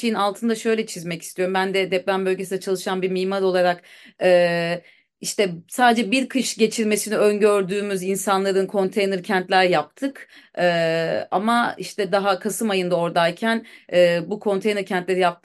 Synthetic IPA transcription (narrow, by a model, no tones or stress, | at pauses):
ejinalˠt̪ʰɯnd̪aʃø̞jlʲɛt͡ʃʰizmɛci̥st̪ʰijo̞ɾumbænd̪ɛd̪ɛplʲænbø̞lʲɟesinɛt͡ʃʰalˠɯʃanbimiːmaɾo̞lˠaɾakɛː | iʃt̪ɛsaːd̪ed͡ʒɛbiɾkʰɯʃɟe̞t͡ʃʰiɾme̞siniønɟø̞ɾd̪yːmyzinsanlˠaɾɯnkʰo̞nt̪ʰejnɛɾcʰɛnt̪lʲæɾjap̚t̪ʰɯkɛːa̰maiʃt̪ʰɛd̪aɦakʰasɯmajɯnd̪ao̞ɾd̪ajcʰænɛːbukʰo̞nt̪ʰejnɛɾcʰɛnt̪lʲe̞ɾijap̚t̪